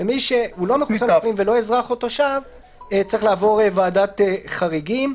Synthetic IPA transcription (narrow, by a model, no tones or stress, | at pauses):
emiʃehulo̞meχut͡sanaflimvelo̞ezʁaχo̞t̪o̞ʃav | t͡sʁiχlaːvo̞ʁevaːdat̪eχaʁiɡim